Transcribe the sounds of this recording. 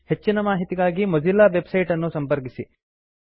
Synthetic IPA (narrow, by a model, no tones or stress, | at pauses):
het͡ʃːinɐmaːɦit̪iɡaːɡimod͡ʒilːaʋebsɐjʈɐnːusɐmpɐɾkisi